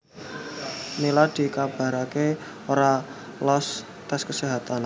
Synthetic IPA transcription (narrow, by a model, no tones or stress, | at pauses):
nilad̪̥i̤kab̥a̤ɾake | oɾa | lɔs | t̪ɛskəseɦat̪an